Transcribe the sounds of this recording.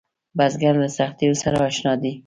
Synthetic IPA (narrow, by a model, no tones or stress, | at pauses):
bazɡaɾd̪əsaχt̪iɾosaɾaaʃnɑd̪i